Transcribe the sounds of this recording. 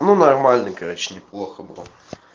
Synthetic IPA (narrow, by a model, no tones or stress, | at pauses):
nunɐrmalʲnɨjkɐɾot͡ɕɪ̥nʲɪplˠoxəbɨ̰lˠ